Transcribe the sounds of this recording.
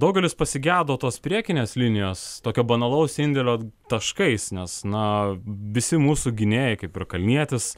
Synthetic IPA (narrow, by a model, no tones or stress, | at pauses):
d̪ɐʊɡʲɛlʲɪspɐsʲɪɡʲæːd̪oːt̪oːspʲɾʲiɛkʲɪnʲeːslʲɪnʲɪjoːst̪oːkʲoːbɐnɐlˠɐʊsɪnʲd̪ʲɛlʲoːt̪ɐʃkɐɪsnʲɛsnɐʋʲɪsʲɪmuːsuːɡʲɪnʲeːjɪkɐɪpɪrkɐlʲnʲiɛt̪ʲɪs